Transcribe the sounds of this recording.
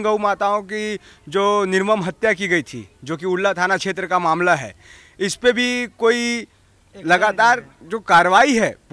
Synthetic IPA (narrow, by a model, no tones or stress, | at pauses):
ɡəwmaːt̪aõkid͡ʒoːnɪɾməmɦɐt̪jakiɡɐit̪ʰḭd͡ʒoːkiʊɽːat̪ʰaːnakʃeːt̪ɾəkamaːmlaɦɛ̰ː | ɪspebʱikoːi | lɐɡaːt̪aːɾ | d͡ʒoːkaːɾəʋaːiɦɛːp